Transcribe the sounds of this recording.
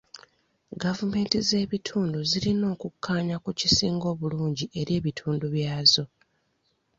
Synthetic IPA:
ɡavume̞ːntize̞ːβitʰuːnduziɾino̞ːkukʰːaːɲakucisḭːŋɡo̞ːβuluːɲɟiʔe̞ɾje̞ːβitʰuːnduβjaːzo̞

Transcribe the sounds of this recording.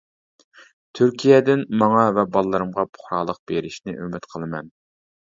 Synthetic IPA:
t̪ʰyɾkʲʰijɛd̪ɪnmɑŋɑvɛbɑlˠɨlˠɨɾɨmʁɑpʰo̥χɾɑlˠəq̚b̥eɾɪʃnɪʔømɪt̪qʰəlˠɨmɛn

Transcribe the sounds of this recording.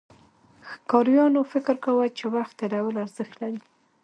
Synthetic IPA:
xkɑɾjɑnofɪkɾkawəjt͡ʃewaxt̪̚eɾawəlaɾzəxt̪laɾi

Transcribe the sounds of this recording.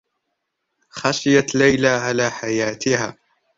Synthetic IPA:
xaʃɪjat̪lajlaːʕalaːħajaːt̪ɪhaː

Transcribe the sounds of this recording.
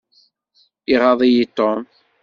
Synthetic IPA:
iʁɑðˤijit̪ːɔm

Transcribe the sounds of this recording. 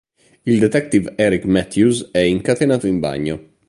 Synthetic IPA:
ild̪et̪ɛk̚t̪ivɛɾikmɛt̪ʰjuzɛiŋkat̪enaːt̪oimba̰ɲːo

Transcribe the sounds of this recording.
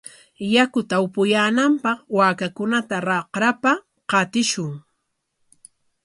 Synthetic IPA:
jakʊt̪aʊpʊjaːnampɑχwaːkakʊnat̪aɾɑqɾapa | qɑt̪ɪʃʊŋ

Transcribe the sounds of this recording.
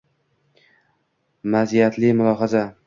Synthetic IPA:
mazijat̪ʰlɪmʊlˠɒɦaza

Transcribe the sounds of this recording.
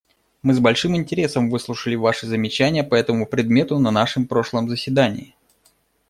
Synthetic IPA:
mɨzbɐlʲʂɨmɪnʲtʲɪɾʲe̞səmvɨslˠʊʂəlʲɪvaʂɨzəmʲɪt͡ɕænʲɪjəpɐɛt̪əmʊpɾʲɪd̪mʲe̞t̪ʊnɐnaʂɨmpɾo̞ʂlˠəmzəsʲvʲɪd̪anʲɪ̰ː

